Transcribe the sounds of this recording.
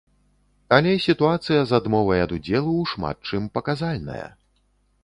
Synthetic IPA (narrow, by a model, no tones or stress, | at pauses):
alʲɛsʲit̪uat̪sɨjɐzad̪mɔvɐjɐd̪ud͡zʲɛlˠuʂma̰t̪̚t͡ʂɨmpɐkazalʲnɐ̰jɐ̰